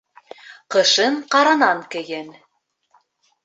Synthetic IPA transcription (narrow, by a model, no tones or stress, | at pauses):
qɤ̆ʃɤɴqɑɾɑnɑŋkɵ̆jɘn